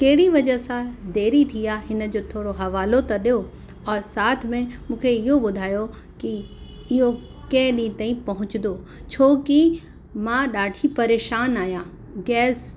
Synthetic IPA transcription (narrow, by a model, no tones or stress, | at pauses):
kɐɦɪɽiʋɐd͡ʑəsãd̪eːɾit̪ʰiaɦɪnə̆d͡ʑoːt̪ʰoːɽoɦɐʋaːlot̪ɐɗijo | ɔːɾsaːt̪ʰmẽmũːkʰeɪɦoɓʊd̪ʱaːjo | ki | ɪɦo | kɛ̃ːɗĩt̪aːĩpɐɦʊ̃t͡ɕɪnd̪oː | t͡ɕʰoːki | mãɗaːɖʱʰipɐɾeːʃaːnaːjã | ɡɛːs